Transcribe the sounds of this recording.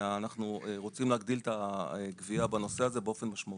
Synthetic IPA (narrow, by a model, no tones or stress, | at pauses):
anaχnueʁo̞t͡simleːɡd̪ilt̪aɡviabano̞se̞aze̞beo̞fe̞nmaʃmai